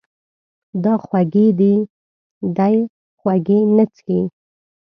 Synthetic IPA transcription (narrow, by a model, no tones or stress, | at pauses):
d̪ɑxwaɡed̪i | d̪aj | xwaɡenət͡si